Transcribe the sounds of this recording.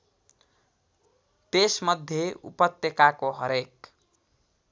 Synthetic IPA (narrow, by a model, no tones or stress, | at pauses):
t̪esmʌd̪ʱjeṵpʌt̪jekakoɦʌɾek